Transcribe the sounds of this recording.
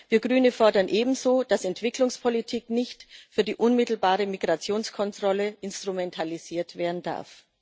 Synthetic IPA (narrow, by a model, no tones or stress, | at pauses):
viːɐɡʁyːnəfɔɐdɐnʔeːbm̩zoːd̥asɛntv̥ɪklʊŋspʰolitʰiːknɪçtfyːɐdiːʔʊnmɪtl̩baːʁəmiɡʁat͡sjoːnskʰɔntʁ̥ɔləʔɪnstʁ̥umɛntʰaliz̥iːɐtv̥eːɐdn̩da̰ɐf